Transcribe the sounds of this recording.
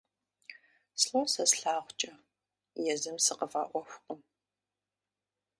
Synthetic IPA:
sɬosɐsɬaːʁʷt͡ʃʼɐ | jɛzɨmsɨqəvaːʔʷɔxʷʊqʼəm

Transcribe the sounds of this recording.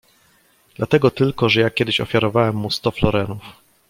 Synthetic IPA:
d̪̥lat̪ɛɡɔt̪ɘlkɔʐɛjakʲjɛd̪ɘɕɔ̰fʲjaɾɔvawɛmːust̪ɔflɔɾɛnuf

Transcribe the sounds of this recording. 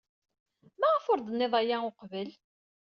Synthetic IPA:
mæʁəfoɾˤd̪ənːɪðˤæjæoqvəl

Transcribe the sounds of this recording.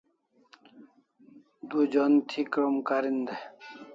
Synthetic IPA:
d̪ud͡ʑont̪ʰikɾomkaɾind̪e

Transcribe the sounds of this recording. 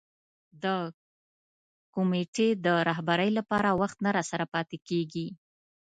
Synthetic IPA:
d̪ə | kʊmeʈed̪əɾɑɦbaɾəjlapɑɾawaxt̪naɾɑsaɾapɑt̪ekeɡi

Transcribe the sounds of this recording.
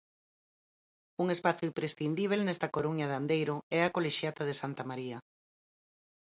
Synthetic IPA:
uŋespaθoimpɾesθind̪iβ̞elnɛst̪ɐkoɾuɲɐðand̪ejɾoɛakoleʃjat̪aðesant̪amaɾiɐ

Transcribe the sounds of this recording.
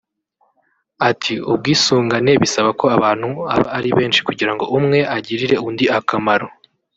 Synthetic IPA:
atʰiub̚ɡiːsuːŋɡane̞βisaβako̞aβaːn̥hua̰βa̰ːɾiβe̞ːnʃi̥kuɟiɾaŋɡo̞ʔumŋe̞ʔaɟiɾiɾe̞undiakamaɾo̞

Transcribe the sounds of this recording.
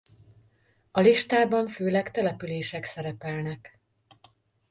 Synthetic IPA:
ɒliʃt̪aːbɒɱføːlɛkt̪ɛlɛpyleːʃɛksɛɾɛpɛlnɛk

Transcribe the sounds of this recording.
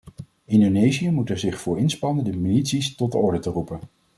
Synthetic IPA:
ɪndonejziəmutəɹzɪχfʊːɹɪnspɑnəndəmilitsistɔd̚dəɔɹdətərupən

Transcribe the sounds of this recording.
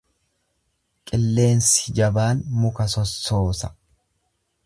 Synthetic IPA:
kʼɪlːe̞ːnsɪd͡ʒɐbaːnmʊkɐsɔsːo̞ːsɐ

